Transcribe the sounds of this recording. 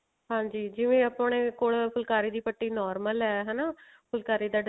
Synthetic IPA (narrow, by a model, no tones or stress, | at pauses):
ɦãːɲd͡ʒiːd͡ʒɪʋẽːəpɳeːkoːɭpʰʊlkaːɾiːd̪iːpəʈːiːnɔːɾməlɛːɦɛːnaː | pʰʊlkaːɾiːd̪aːɖ